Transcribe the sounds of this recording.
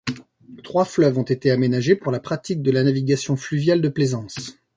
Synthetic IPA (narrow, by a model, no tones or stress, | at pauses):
t̪χwaflœvɔ̃t̪et̪eamenaʒepuʁlapχat̪ik̚d̪əlanaviɡʲasjɔ̃flyvjald̪əplezɑ̃s